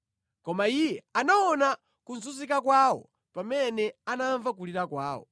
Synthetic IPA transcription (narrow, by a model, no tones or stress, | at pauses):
kɔmaijɛanaɔna | kunz̬uzikakwaːwɔ̰ | pamɛnɛanaɱvak̬uliɾakwaːwɔ̰